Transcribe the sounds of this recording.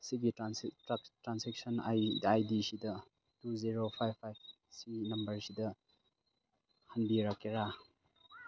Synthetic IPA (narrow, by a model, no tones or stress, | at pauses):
siɡitɾansatɾansek̚sɐna̰jajdisidɐ | tuziɾopʰajbpʰːajb̚ | sinɐmbɐɾsidɐ | hɐnbiɾakːeɾa